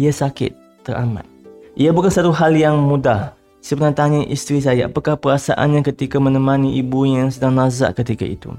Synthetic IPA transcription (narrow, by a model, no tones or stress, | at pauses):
iasakɪ̰t̪̚ːəra̰mã̰t̪̚ʔiabukansat̪uɦaljaŋmũdah | səbənat̪aɲəʔist̪ɾis̬ajaʔa̰pakahpəɾasa̰ʔa̰nɲãkət̪ikamə̃nəmãniʔibujaŋsədaŋnãza̰ʔkət̪ika̰ḭt̪ṵ